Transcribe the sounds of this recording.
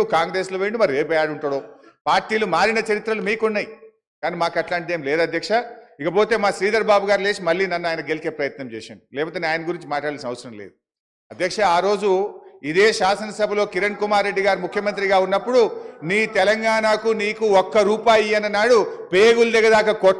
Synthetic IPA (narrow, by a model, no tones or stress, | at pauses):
ukaːŋɡɾe̞ːsloːʋeːɳɖumɐɾieːpɛjaːɽuɳʈoːɽoːpaːɾʈiːlumaːɾinɐt͡ʃɐɾit̪ɾɐlumiːkunːaːji | kaːniːmaːkɐʈlaːɳʈid̪eːmleːd̪uɐd̪ʱjɐkʂɐikɐpo̞ːt̪e̞ːmaːsɾiːd̪ɐɾbaːbuɡaːɾle̞ːʃimɐlːiːnɐnːuaːjnɐɡe̞lit͡ʃe̞ːpɾɐjɐt̪nɐmt͡ʃɛ̰ːʃa̰ːnilɛːpɐt̪enaːjnɐɡuɾiɲt͡ʃimaːʈlaːɽalsinɐʋɐsɐɾɐmlḛːd̪u | ɐd̪jɐkʂɐaːɾo̞ːd͡ʒuid̪e̞ːʃaːsɐnɐsɐbʱɐlo̞ːkiɾɐɳkumaːɾːe̞ɖːiɡaːɾimukʰjɐmɐnt̪ɾiɡaːunːɐpːuɽuniːt̪ɛlɐŋɡaːnakuniːkuɔkːɐɾuːpaːjiɐnːɐnaːɽupeːɡuld̪ɛɡɐd̪aːkɐkɔ